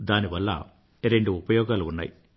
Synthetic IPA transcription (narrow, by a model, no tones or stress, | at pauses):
d̪aːniʋɐlːɐ̰ | ɾe̞ɳɖuupɐjɔːɡaːluunːɐ̰ji